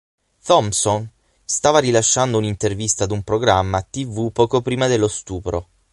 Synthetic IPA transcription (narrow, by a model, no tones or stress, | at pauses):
t̪ɔmson | st̪aːvaɾilaʃːand̪ounint̪ervist̪ad̪umpɾoɡɾamːat̪ivupɔːkopɾiːmad̪elːost̪uːpɾo